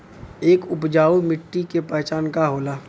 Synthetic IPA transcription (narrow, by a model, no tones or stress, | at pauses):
eːkʊpd͡ʒaːumɪʈːikepɛːt͡ʃaːnkaɦoːlaː